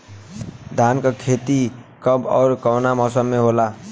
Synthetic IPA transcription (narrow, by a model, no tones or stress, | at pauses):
d̪ʱankakʰet̪ikʌbɔ̰ːɾkɔʊnamɔsəmːeɦola